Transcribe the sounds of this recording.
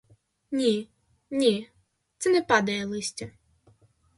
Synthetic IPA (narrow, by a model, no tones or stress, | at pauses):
nʲi | nʲi | t̪sɛnɛpɑd̪ɐjɛlˠɪsʲtʲɐ